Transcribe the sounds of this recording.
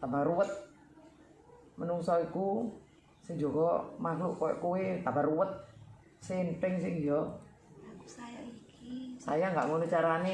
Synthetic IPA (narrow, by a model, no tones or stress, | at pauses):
t̪abaɾuwət̪̚ | mənuŋsɔiku | sɪŋd͡ʒoɡɔmaɦluʔkowɛ̰ʔkuwet̪abaruwət̪̚ | sentɪŋs̬ɪhijɔ | sa̰jaŋɡa̰ʔŋonut͡ʃaɾani